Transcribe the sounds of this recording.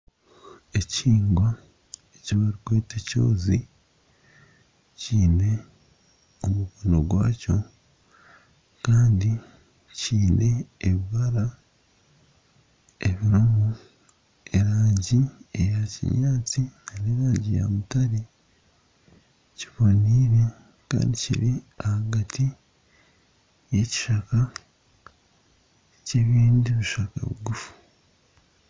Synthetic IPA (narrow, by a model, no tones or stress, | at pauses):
e̞ciːŋɡwa | eciβaɾikweːteco̰ːzi | ciːne̞ | omukonoɡwa̰ːco̞ | kaːndi | ciːnʔe̞ːβiβaɾa | eβiɾumu | e̞ɾaːɲɟiejacḭɲaːt͡sianeɾaːɲɟḭja̰mutaɾi | ciβoniːɾe̞ | ka̰ːndicḭɾi | ahaɡatʰi | je̞ci̥ʃaka | ce̞βiːndiβiʃaka̰βṵɡufu̥